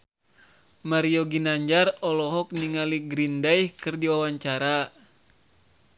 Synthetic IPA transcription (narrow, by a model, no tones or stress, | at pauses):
maɾioɡinaɲd͡ʒarɔlɔɦɔk̚niŋaliɡɾindajhkɨrdiwawaɲt͡ʃaɾa